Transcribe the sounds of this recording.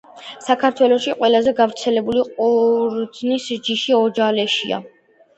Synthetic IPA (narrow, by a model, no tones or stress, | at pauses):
sakʰaɾt̪ʰwɛlˠɔʃiqʼwɛlˠazɛɡavɾt̪sʰɛlɛbuliqʼuɾd̪znisd͡ʒiʃiɔd͡ʒalɛʃḭa̰